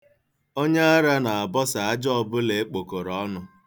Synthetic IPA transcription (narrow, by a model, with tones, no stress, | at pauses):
o˦ɲe˦a˦ɾa˦na˨a˨bɔ˦sa˨a˦d͡ʒɔ˦˨bʊ˦le˨e˦k͡po˨ko˨ɾɔ˦nʊ˨